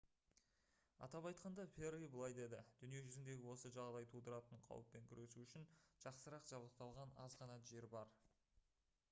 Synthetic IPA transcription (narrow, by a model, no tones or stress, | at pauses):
ɑ̰t̪ɑpɑjt̪̚qɑnd̪ɑferijbəlˠɑjd̪e̞d̪ɪd̪̥ʏnije̞ʒʏzɪnd̪e̞ɡʲɪwo̞səʒɑʁd̪ɑjt̪ʰud̪əɾɑt̪əɴqʰɑ̰wə̰pːe̞ŋkʲʰʏɾe̞suʏʃɪnʒ̥ɑqsəɾɑqʒ̥ɑblˠəq̚t̪ɑlˠʁɑnɑzʁɑnɑʒe̞ɾbɑɾ